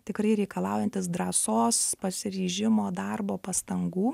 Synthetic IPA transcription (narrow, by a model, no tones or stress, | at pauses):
t̪ʲɪkɾɐɪɾʲɛɪkɐlˠɑːˑʊjɛnʲt̪ʲɪs̬d̪ɾɐːsoːspɐsʲɪɾʲiːʒʲɪmoːd̪ɑrboːpɐst̪ɐŋɡuː